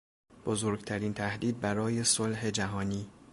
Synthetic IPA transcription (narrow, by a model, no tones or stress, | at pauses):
b̥ozoːɾɡt̪ʰæɾiːnt̪ʰæhd̪iːd̪̚bæɾɒːje̞solɦe̞d͡ʒæɦɒːniː